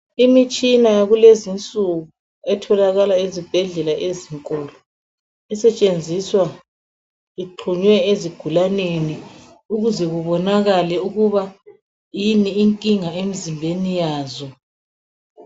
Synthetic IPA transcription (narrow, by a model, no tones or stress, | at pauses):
imit͡ʃʼinajaɣulezint͡sʼuɣu | ɛtʰɔlaɣalaezib̥ʱɛɮɛlaʔeziŋkʼɔːlɔ | ɛsɛt͡ʃʼend͡zʱiswa | iǃʰuɲwɛeziɡ̥ʱulaneni | uɣuzɛɣuβɔnaɣalɛuɣuβa | jiniːŋkʼiŋaemizimbʱenijaːzɔ